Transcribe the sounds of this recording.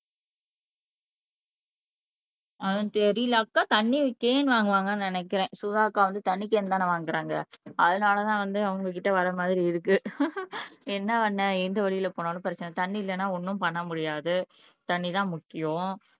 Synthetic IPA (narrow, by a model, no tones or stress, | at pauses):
ɐɐt̪ɛɾɪlaːkːaːt̪ɐnːikeːnʋaːŋɡɐʋaːŋɡɐnnɪnɛkːɪɾẽːsʊðaːkːaːʋɐnd̪ɯt̪ɐɳːik̬eːnd̪aːnɐʋaːŋɡɪɾaːŋɡɐ̰ɐðɯnaːlɐt̪ãːʋɐnd̪ɯɐʋɐŋɡɐk̬ɪʈːɐʋɐɾɐmaːðɪɾiɪðɯkːɯ | ɛnːɐʋɐnːɐɛnd̪ɐʋɐɭɪjɪlɐpoːnaːlɯ̃pɪɾɐt͡ʃːɐnɐt̪ɐɳːiɪlːɐnːaːɔnːɯ̃mpɐɳːɐmʊɽɪjaːðɯt̪ɐɳːit̪ãːmʊkːɪjʊ̃